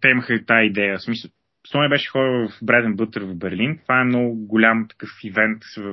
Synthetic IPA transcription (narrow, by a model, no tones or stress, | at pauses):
t̪ɛiməxət̪aid̪ɛjəsmisə | sɔnɛbɛʃɛ̥xɔɾəvəfbɾɛd̪ɛnbɤt̪əɾvɐvbɛɾlint̪vaɛmnɔɡʊɡʊlʲamt̪ɐ̥kɤfivɛnt̪v